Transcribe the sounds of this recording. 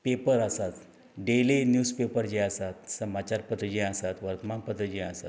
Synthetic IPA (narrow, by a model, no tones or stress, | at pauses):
pepəɾasat̪ | ɖelenjuːspepəɾd͡ʑeasat̪səmat͡ɕaɾpət̪əd͡ʑẽasat̪ʋəɾt̪əmanpət̪əd͡ʑeasat̪